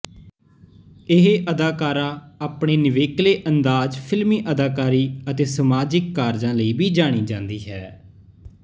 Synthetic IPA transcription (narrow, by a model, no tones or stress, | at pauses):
ɪɦeʔəd̪aːkaːɾãːaːpɳeːnɪʋeːkleːʔənd̪aːd͡ʒpʰɪlmiːʔəd̪aːkaːɾiːət̪eːsəmaːd͡ʒɪkːaːɾd͡ʒãːləiːbʱiːd͡ʒaːɽ̃iːd͡ʒãːnd̪iːɦɛː